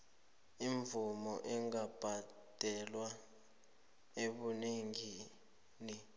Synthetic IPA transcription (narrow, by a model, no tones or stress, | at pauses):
iɱvumɔʔɛŋab̥ʱa | d̥ʱɛlwa | eɓuniŋi | ni